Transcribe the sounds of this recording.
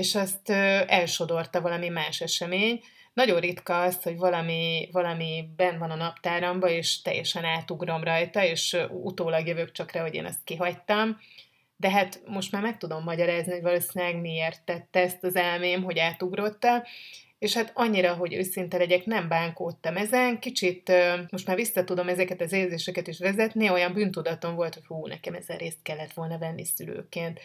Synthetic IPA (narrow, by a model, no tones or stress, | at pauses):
eːʃɒst̪øɛlʃo̞d̪o̞rt̪ɒvɒlɒmimaːʃɛʃɛmeːɲ | nɒɟo̞rrit̪kɒːsho̞ɟvɒlɒmivɒlɒmibɛnvɒnɒnɒpt̪aːɾɒmbɒeːʃt̪ɛ̰jːɛʃɛnaːt̪uɡro̞mrɒjt̪ɒeːʃut̪oːlɒɡjøvøkt͡ʃɒkraːɦo̞ɟḛːnɒ̰st̪̚kiɦɒct̪ɒm | d̪ɛɦat̪mo̞ʃt̪maːrmɛk̚t̪ud̪o̞mːɒɟɒɾaːzniho̞ɟvɒloːsinaɡmieːrt̪ːɛt̪ːɛɛst̪ɒzɛlmeːmɦo̞ɟaːt̪uɡro̞t̪ːɒm | eːʃhat̪ɒɲːiɾɒɦo̞ɟø̰ːsint̪ɛlɛɟɛknɛmbaːŋkoːt̪ːɒmɛzɛnkit͡ʃit̪ømo̞ʃt̪maːrvʋisːɒt̪ud̪o̞mɛzɛkɛt̪ɒzeːlzeːʃɛkɛt̪iʃʋɛzɛt̪nio̞jɒmbyːnt̪ud̪ɒt̪o̞ɱvo̞lt̪ho̞chuːnɛ̰kɛmɛ̰zɛ̰reːst̪̚kɛlːɛt̪ʋo̞lnɒvɛnːisylø̰ːkeːnt̪